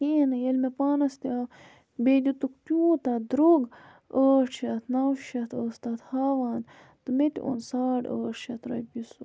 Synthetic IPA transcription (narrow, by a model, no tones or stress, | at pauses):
keːnɐjɐlmepaːnɐst̪ia | bed̪ʲut̪uktʲuːt̪ad̪ɾoɡ | əːʂʰɐt̪ʰnɐwʃɐt̪ʰəːst̪at̪haːʋaːn | t̪ɨmet̪ʲo̰nsaːɖə̰ːʂɐt̪ɾɐjpisu